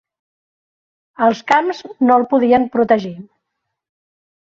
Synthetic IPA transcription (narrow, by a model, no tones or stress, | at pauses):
əlˠskamznolˠpuðiəmpɾut̪əʒi